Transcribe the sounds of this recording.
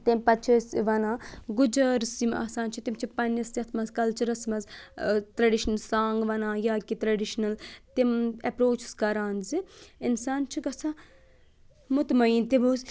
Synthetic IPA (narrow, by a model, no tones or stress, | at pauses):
t̪empɐt͡ʃʰisʋɐnaːɡud͡ʒɐɾsimɐ̰ːsaːnt͡ʃʰit̪imt͡ʃʰipɐnɐst̪ʲɐt̪ʰmɐzkɐlt͡ʃɐɾɐsmɐzt̪ɾɐɖiʃnlsaːŋɡʋɐnaːjaːkit̪ɾɐɖiʃnɐlt̪imɐpɾoːt͡ʃʰskɐɾaːnziinsaːnt͡ʃʰiɡɐsʰa | mut̪mɐiːnt̪iboːz